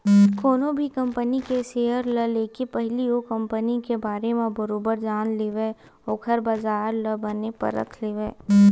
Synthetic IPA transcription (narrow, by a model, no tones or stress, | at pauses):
koːnõbʱikɐ̃mpənikeseːəɾləleːkepɛɦliokə̃mpənikebaːɾemẽbəɾoːbəɾd͡ʒaːnliːʋe | oːkʰəɾbaːzaːɾləbənepɐ̰ɾə̰kʰleːʋeː